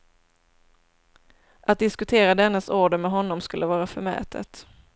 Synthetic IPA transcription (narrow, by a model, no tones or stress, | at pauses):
ʔat̪̚d̪ɪskɵt̪ʰeːɾad̪ɛnːəsuːɖəmɛɦɔnːɔmskɵlːəvɑːɾafœɾmɛ̰ːt̪ʰə̰t̪